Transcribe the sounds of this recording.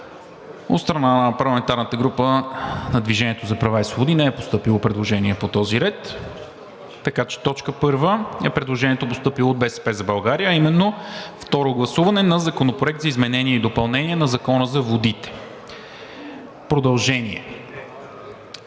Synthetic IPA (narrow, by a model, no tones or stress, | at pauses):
o̰t̪st̪ɾɐnanɐpɐɾlˠɐmɛnt̪aɾnət̪əɡɾupənɐd̪viʒɛniɛt̪ozɐpɾɐvaislˠobod̪inɛɛpost̪ɤpilˠopɾɛd̪lˠoʒɛniɛpot̪ɔziɾɛt̪ | ɐkat͡ʃɛ̥t̪ɔt͡ʃkəpɤɾvəɛpɾɛd̪lˠoʒɛniɛt̪opost̪ɤpilˠoːd̪̚bɛsɛ̥pɛzɐbɐlˠɡaɾijəːimɛnːoft̪ɔɾoɡlˠɐsuvɐnɛnɐzɐkonopɾoʊɛk̚t̪zɐizmɛnɛniɛid̪opɐlˠnɛniɛnɐzɐkɔnəzɐvod̪it̪ɛ̥ | pɾod̪ɐlˠʒɛniɛ